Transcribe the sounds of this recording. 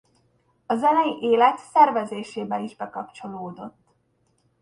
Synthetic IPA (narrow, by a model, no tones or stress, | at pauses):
ɒzɛnɛjiʔeːlɛt̪sɛrvɛzeːʃeːbɛniʒbɛkɒpt͡ʃo̞loːd̪o̞t̪ː